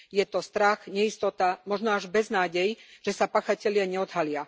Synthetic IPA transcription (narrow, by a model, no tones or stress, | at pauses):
jɛt̪ɔst̪ɾaxɲɛist̪ɔt̪amɔʒnɔaʒbɛznaːɟɛjʒ̥ɛsapaːxacɛlɪaɲɛɔd̪ɦalɪa